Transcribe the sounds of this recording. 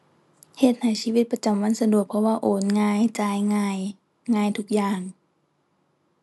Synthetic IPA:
he˧˩t̪̚ha˨˩jsiː˧˥˧i˧t̪̚pa˧t͡ɕa˨˩mwa˧˥˨nsa˧du˨˩ək̚pʰɔ˧waː˧ʔoː˨˦nŋaː˧˩˨jt͡ɕaː˧˩jŋaː˧˩j | ŋaː˧˩˨jt̪ʰu˧˥k̚jaː˨˩ŋ

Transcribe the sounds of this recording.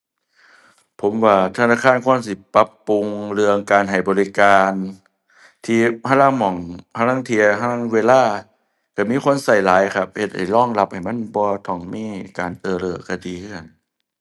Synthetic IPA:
pʰo˨˩˦mwaː˧˩t̪ʰa˧naː˧˥˩kʰaː˧˥˨nkʰu˧˥ə˨ms̬i˧˩˦pa˧˦pːu˧ŋɾɯ˧əŋkaː˨nɦa˨˩jbɔː˨li˦˧kaː˧n | t̪ʰiː˧˩a˧˥˨laː˧˥˨ŋmɔ˨˩ŋpʰa˧laː˧˥˨ŋt̪ʰi˧ɐha˧˥a˥˨ŋweː˧laː˧˥˩ | ka˧˩miː˧˥˨kʰo˧˥˨nsa˧˩jlaː˨˦jkʰa˧˩p̚he˧t̪̚ha˨˩jlɔː˥˩ŋla˧˥p̚ha˨˩jma˧˥˨nbɔː˧t̪ʰɔ˨˩ŋmiː˧˥˨kaː˨nʔɤː˧˩ɾɤː˧˩ka˧˩diː˧˦kʰn

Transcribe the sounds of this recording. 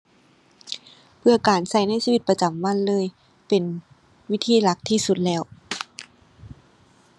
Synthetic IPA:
pʰɯ˧˩ɐkaː˨nsa˧˩jna˧˥˨jsiː˧wi˧t̪̚pa˧t͡ɕa˨˩mwa˧˥˨nlɤː˧˥˨j | pe˨˩n | wi˦˥t̪ʰiː˧˩˨la˧˦˥k̚t̪ʰiː˧˥˨su˧˦t̪̚lɛː˦˥˩w

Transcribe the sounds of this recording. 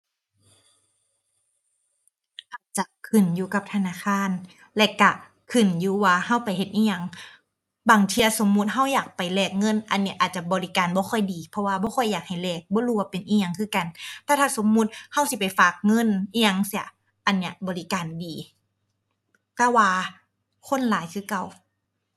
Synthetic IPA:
ʔaː˨˩t̪̚t͡ɕa˧kʰɯ˨˩njuː˧ka˧˩p̚t̪ʰa˧naː˧˩˨kʰaː˧˥˨n | lɛ˧ka˧˩ | kʰɯ˨˩njuː˧waː˧ha˧˥˩wpa˨jhe˧t̪̚ʔiː˧˨ɲa˧˩ŋ | baː˨˩ŋt̪ʰiː˧a˧so˨˦mːu˧˥t̪̚ɦa˧˩wjaː˨˩k̚pa˨jlɛː˧˩k̚ŋɤ˧˥˨nʔa˨nːi˧˩ʔaː˨˩t̪̚t͡ɕa˧˩bɔː˨˧li˦˥kaː˨nbɔː˧˦kʰɔ˧˩jdiː˨˩pʰɔ˧waː˧˩bɔː˧˦kʰɔ˧˥˩jːaː˨˩k̚ha˧˩jlɛː˧˩k̚bɔː˧˦ɾuː˧˨waː˧˩pe˨nʔiː˧ɲa˧ŋkʰɯː˧˥˨ka˨˩nt̪ɛː˧˩t̪ʰaː˧˩so˨˦mːu˧˥t̪̚ha˧˥˩wsi˧˦pa˨˩jfaː˨˩k̚ŋɤ˧˥˨nʔiː˧ɲa˧ŋsi˧ɐ˨˩ | ʔa˨nːi˧˩˨bɔː˨li˦kaː˨ndiː˨ | t̪ɛː˧˩waː˧ | kʰo˧˥˨nlaː˨˦jkʰɯː˧˥˨ka˧˩w

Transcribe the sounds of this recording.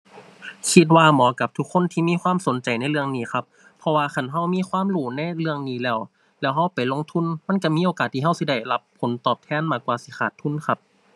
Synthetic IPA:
kʰi˧˥t̪̬̚waː˧mɔː˨˦ka˧˦p̚t̪ʰu˧kʰːo˧˥˨nt̪ʰiː˧˩miː˧˥˨xwaː˧˥˨mso˨˦nt͡ɕa˨˩jna˧˥˩jlɯ˧əŋniː˧˥˩xʰa˧˥p̚ʰːɔ˧waː˧xa˧˩˨nɦa˧˩wmiː˧˥˨kʰwaː˧˥˨mluː˧˩na˧˩˨jlɯ˧əŋniː˧˩˨lɛː˧˩˨w | lɛː˧˩wɦa˧˩˨wpa˨˩jlo˧˨ŋt̪ʰu˧˥˨nma˧˥˨nka˧˩miː˧˥˨oː˨kaː˨t̪ʰːiː˧˩ɦa˧˥˨wsi˧˩da˧˩jla˧˦pʰːo˨˦nt̪ɔː˨˩p̚t̪ʰɛː˧˥˨nmaː˧˩kwaː˧si˧˦xʰaː˨˩t̪ʰːu˧˥˨nkʰa˧p̚

